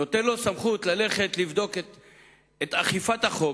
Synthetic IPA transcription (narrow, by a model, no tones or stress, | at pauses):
ot̪elo̞samχut̪lale̞χe̞t̪livd̪o̞ket | et̪aχifat̪haχo̞